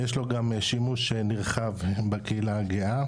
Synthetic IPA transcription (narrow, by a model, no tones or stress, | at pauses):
jeʃlo̞ɡameʃimuʃeniʁχavbekeilaaɡia